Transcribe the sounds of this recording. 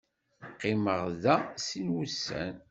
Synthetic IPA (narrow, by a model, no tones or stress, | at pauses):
qːɪməʁðæsinwusːæ̰n